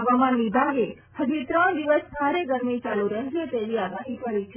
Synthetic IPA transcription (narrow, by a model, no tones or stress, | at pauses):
ʋamanʋibʱaɡe | həd͡ʒit̪ɾəɳ̃d̪iʋəsbʱaɾeɡəɾmit͡ʃaluɾəɦeʃet̪eʋiaɡaɦikəɾit͡ʃʰe